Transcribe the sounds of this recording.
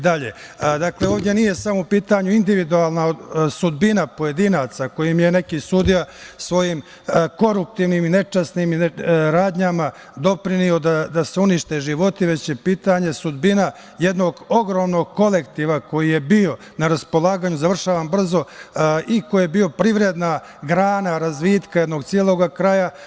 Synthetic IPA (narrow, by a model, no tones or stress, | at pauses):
id̪aʎḛ | d̪akleo̞ːʋdje̞nije̞samoupiːt̪aɲuind̪iʋid̪uaːlˠnaosud̪binapo̞je̞d̪inat̪sako̞jimje̞ne̞kisud̪ijasʋo̞jiːm | ko̞ɾup̚t̪iːʋnimine̞t͡ʃasnimiɾaːd̪ɲama | d̪o̞pɾinio̞d̪ad̪aseuniʃt̪e̞ʒiʋo̞t̪iʋe̞t͡ɕjepiːt̪aɲe̞sud̪bina | je̞d̪no̞ɡo̞ɡɾo̞ːmno̞ɡ̚ko̞lekt̪iʋako̞jije̞bio̞ | naɾaspo̞lˠaːɡaːɲuzaʋr̩ʃaːʋambr̩zo̞ʔikojebio̞pɾiʋɾed̪na | ɡɾaːnaɾazʋiːt̪kajed̪no̞ɡt̪sjieːlo̞ːɡakɾaja